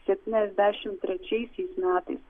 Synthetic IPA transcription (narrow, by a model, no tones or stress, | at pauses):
sʲɛpʲt̪ʲinʲɛzʲd̪ʲæːʃʲɪmt̪ʲɾʲɛt͡ʃʲɛɪsʲɛɪsmʲæːt̪ɐ̰ɪs